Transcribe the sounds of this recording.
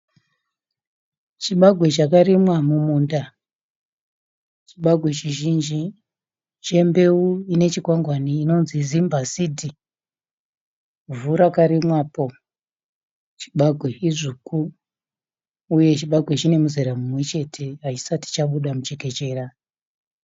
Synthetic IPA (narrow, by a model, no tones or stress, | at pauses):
t͡ʃiɓaɡʱwe̞t͡ʃakaɾimwamumuːnda | t͡ʃiɓaɡʱwe̞t͡ʃiʒind͡ʒi | t͡ʃe̞mbe̞uine̞t͡ʃiɡʱwaŋɡwaniːno̞nzizimbasidʱi | vuɾakaɾimwaːpo̞ | t͡ʃi̥ɓaɡʱweiʐuku | je̞t͡ʃiɓaɡʱwe̞t͡ʃine̞muzeɾamumwe̞t͡ʃe̞tʰeɦat͡ʃi̥sati̥t͡ʃaɓuɗamut͡ʃeke̞t͡ʃe̞ːra